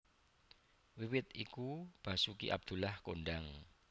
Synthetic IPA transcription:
wiwɪt̪̚ikub̥a̤sukḭʔa̰b̚d̪̥ṳlahkoɳɖaŋ

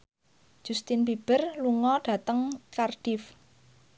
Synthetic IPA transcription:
ʒ̥ust̪ɪnbib̥ərluŋɔɖ̥ä̤t̪əŋkarɖ̥ɪf

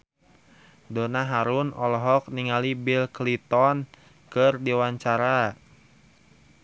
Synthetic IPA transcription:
donaɦaɾunɔlɔɦɔk̚niŋalibilklit̪ɔn | kɨrdiwaɲt͡ʃaɾa

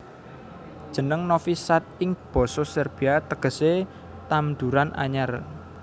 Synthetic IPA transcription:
d̥ʒ̥ə̤nəŋnofisat̪̚ɪŋb̥ɔ̤sɔsɛrb̥i̤at̪əɡ̥ə̤se | t̪amd̪uɾanʔa̰ɲar

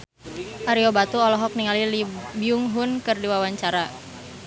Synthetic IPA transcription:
ʔaɾiobat̪uɔlɔɦɔk̚niŋalilibiuŋɦʊnkɨrdiwawaɲt͡ʃaɾa

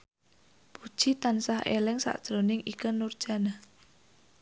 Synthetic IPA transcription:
pud̥ʒ̥it̪ansahḛlɪŋsa̰ʔd̥ʒ̥ɾonɪŋikənurd̥ʒ̥a̤na

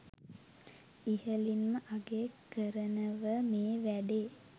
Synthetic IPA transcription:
ihəlinməʔaɡekːəɾənəʋəmeːʋæɖeː

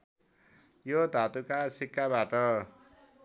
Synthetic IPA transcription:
jod̪ʱat̪ukasʰikːabaʈʌ

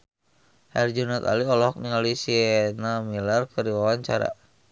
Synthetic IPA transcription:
hɛ̰rd͡ʒunat̪a̰liɔlɔɔk̚niŋalisinamilarkəɾiwawaɲt͡ʃa̰ɾa̰

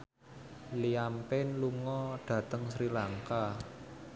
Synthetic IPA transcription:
liampɪnluŋɔɖ̥ä̤t̪əŋsɾilaŋka

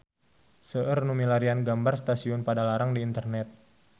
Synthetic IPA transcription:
səʔərnumilaɾianɡambarst̪asiɔnpadalaɾaŋdiːnt̪ərnɛt̪̚

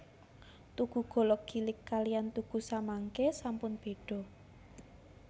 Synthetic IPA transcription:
t̪uɡ̥ṳɡ̥ɔ̤lɔɡ̥i̤lɪkːalijant̪uɡ̥ṳsamaŋkesampʊnb̥e̤ɖ̥ɔ̤

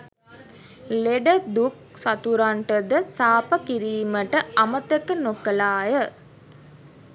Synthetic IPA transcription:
leɖəd̪uk̚sat̪uɾaɳʈəd̪əsaːpəkiɾiːməʈəamət̪əkənokəlaːjə

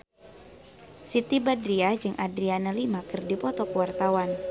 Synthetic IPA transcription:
sit̪ibadɾiad͡ʒɨŋʔadɾianalimakɨrdipɔt̪ɔkəwart̪awan

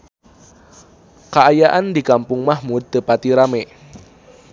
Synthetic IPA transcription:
kaːjaʔandikampʊŋmahmud̪̚t̪əpat̪iɾameʔ

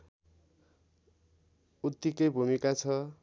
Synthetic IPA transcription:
ut̪ːikʌjbʱumikat͡sʰʌ

